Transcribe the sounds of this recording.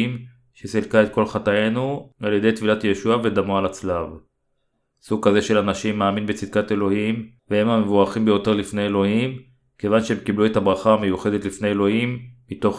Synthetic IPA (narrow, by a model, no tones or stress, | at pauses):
m | ʃesilkae̞t̪̚ko̞lχataje̞nualjede̞jt̪filatje̞ʃuave̞d̪amualat͡slav | suɡ̚kaze̞ʃe̞lanaʃimːaːminbe̞t͡sid̪̚kate̞lo̞him | vehemamevuʁaχimbe̞jo̞te̞ʁlifne̞elo̞him | ke̞vanʃehemkiblue̞tabʁaχaːmejuχe̞d̪et̪lifneelo̞himːito̞χ